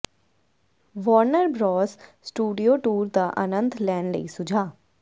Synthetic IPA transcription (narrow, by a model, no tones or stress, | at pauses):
ʋɔːɾnəɾbɾɔːssʈuːɖijoːʈuːɾd̪aːʔənə̃nt̪ʰlɛːnlə̰ḭːsʊd͡ʒʱaː